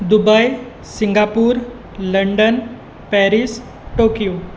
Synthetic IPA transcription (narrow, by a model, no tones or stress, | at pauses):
d̪ubaj | siŋɡapuːɾ | ləɳɖən | pɛɾis | ʈoːkijo